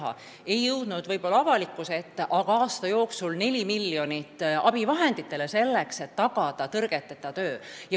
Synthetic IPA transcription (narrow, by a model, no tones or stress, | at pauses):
ɑ̰ | e̞jːɤwd̪̥nud̪̥vɤ̞jb̥o̞lːɑɑvɑlikːˑuset̪ːʔɑɡ̥ɑɑːst̪ɑjo̞ːksulne̞lʲimilːjo̞nit̪ːˑɑb̥ivɑɦe̞nd̪̥it̪ːˑe̞le̞se̞lːe̞kse̞t̪ːɑɡ̥ɑd̪̥ɑt̪ɤrɡ̥e̞t̪ːˑet̪ːˑɑt̪ø̞ːjɑ